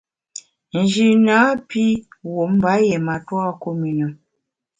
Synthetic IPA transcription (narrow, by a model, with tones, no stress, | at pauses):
n̩˨d͡ʒi˨naː˨˦pi˦wo˨˦m̩˦ba˨˦jɛ˨ma˨twa˦˨ko˦mi˨nə˨